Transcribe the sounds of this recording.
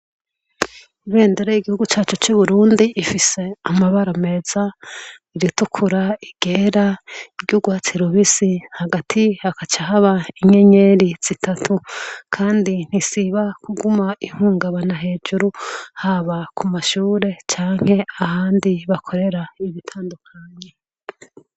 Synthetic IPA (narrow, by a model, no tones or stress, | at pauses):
iβe̞ːndeɾejiɡihuɡut͡ʃaːt͡ʃut͡ʃuβuɾuːndiʔːfise̞amaβaɾome̞z̥a | iɾitukʰuɾaiɡ̥e̞ːɾaiɾɟuɡwat͡siɾuβisihaɡatʰihakat͡ʃaɦaβaiɲe̞ɲe̞ɾiz̥itʰatʰukʰaːndin̥isiβakuɡumaʔiŋ̥huːŋɡaβanaɦe̞ːd͡ʒuɾuhaβakʰumaʃuːɾe̞t͡ʃaːŋ̥he̞ahaːndiβakʰo̞ɾe̞ɾaiβitʰaːndukʰaɲe